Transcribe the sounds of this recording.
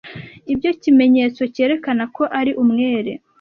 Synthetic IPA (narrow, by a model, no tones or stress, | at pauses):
ibjo̞cime̞ɲe̞ːt͡so̞ce̞ːɾe̞kanako̞ʔaɾiʔumŋe̞ːɾe̞̰